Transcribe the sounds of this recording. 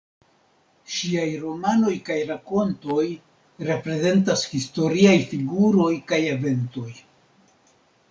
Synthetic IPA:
ʃiajɾo̞mano̞jkajɾako̞nto̞j | ɾe̞pɾe̞ze̞ntashisto̞ɾiajfiɡuɾo̞jkaje̞ve̞nto̞j

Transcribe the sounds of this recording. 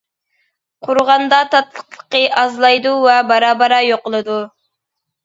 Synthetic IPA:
qʰʊɾʁɑnd̪ɑt̪ʰɑt̪lˠə̥qlˠəqːəʔɑzlˠɑjd̪uwɛbɑɾɑːbɑɾɑjoqəlˠɨd̪u

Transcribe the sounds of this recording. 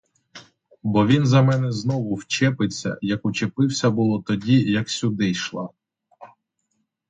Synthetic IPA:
bɔʋʲinzɐmɛnɛznɔʋʊwt͡ʃɛpɪt͡sʲːɐ̰jɐkʊt͡ʃepɪwsʲɐbʊlˠɔt̪ɔdʲijɐksʲʊd̪ɪjʃlˠɑ̰

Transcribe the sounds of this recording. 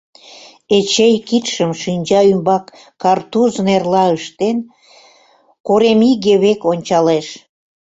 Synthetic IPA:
et͡ɕejkit̪ʃəmʃinʲd͡ʑɑymbɑkː | ɑrt̪uznerlɑəʃt̪en | koɾemiɣeβekonʲt͡ɕɑleʃ

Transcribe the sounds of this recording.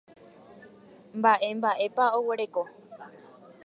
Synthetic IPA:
mbaʔe̞mbaʔe̞paowe̞ɾe̞ko̞

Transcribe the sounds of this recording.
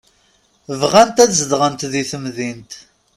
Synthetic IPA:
vʁænt̪æðzəd̪ʁənt̪ðiθəmðint̪

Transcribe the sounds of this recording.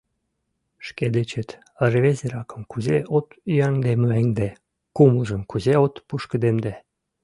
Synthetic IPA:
ʃked̪et͡ɕĕt̪ | ərβezeɾɑkə̆mkuzeʔot̪yɑŋd̪emæŋd̪e | kumuʒə̆mkuzeot̪puʃkə̆d̪emd̪e

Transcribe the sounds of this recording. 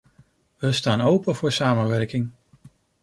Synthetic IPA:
ʋəstaːnowpənvʊːɹsaːmənʋɛɹkɪŋ

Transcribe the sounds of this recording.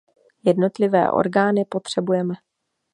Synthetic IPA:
jɛdno̞t̪lɪvɛ̰ːʔo̞̰ɾɡaːnɪpot̪r̝̥ɛbujɛmɛ

